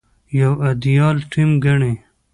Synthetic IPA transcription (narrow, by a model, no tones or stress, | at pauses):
jɐwɐd̪ijɑːlʈʰimɡɐɳe